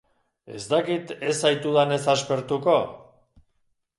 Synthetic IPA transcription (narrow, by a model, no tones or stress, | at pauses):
e̞̰zd̪akit̪e̞sajt̪uðane̞saspe̞ɾt̪uko̞